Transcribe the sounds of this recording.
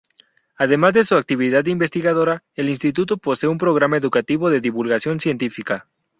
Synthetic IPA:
aðe̞mazðe̞suak̚t̪iβiðaðimbe̞st̪iɣaðo̞ɾa | elinst̪it̪ut̪opo̞seumpɾo̞ɣɾamaeðukat̪iβo̞ðe̞ðiβulɣasjo̞nsje̞nt̪ifika

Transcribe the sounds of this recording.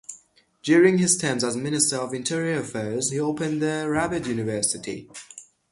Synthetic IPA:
d̥jɔːɹɪ̃ŋɪz̥tʰɛ̃mzəzmɪnɪstəɹəvɪ̃ntʰɪɹiəfɛːz̥hioʊpə̃nðəɹabɪdjʉːnɪvɜˑsɪtʰḭ

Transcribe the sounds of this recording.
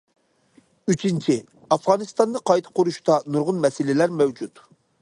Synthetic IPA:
yt͡ʃʰint͡ʃʰi | ɑfʁɑnɨst̪ɑnd̪ɨqʰɑjt̪ʰɨ̥qʊɾuʃt̪ɑnuɾʁʊnmɛsɪlɪlæɾmɛwd͡ʒut̪

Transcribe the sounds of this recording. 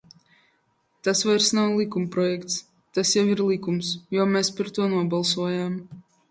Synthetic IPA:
t̪asvajɾsnawlˠikumpɾɔjɛkt̪s | t̪asjawiɾlˠikumsjɔɔmɛːspaɾt̪uɔnuɔbalˠsuɔjaːm

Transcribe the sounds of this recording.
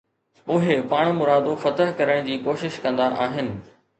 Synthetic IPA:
ʊɦepaːɽ̃mʊɾaːd̪ofɐt̪əɦkɐɾəɽ̃d͡ʑiːkoːʃɪʃkɐ̃nd̪aʔa̰ːɦɪnɪ̆

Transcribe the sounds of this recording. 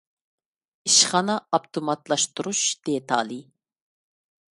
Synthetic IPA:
iʃχɑnɑɑpt̪ʰomɑt̪lˠɑʃt̪uɾuʃd̪̥eɛt̪ʰɑ̰ːlˠi

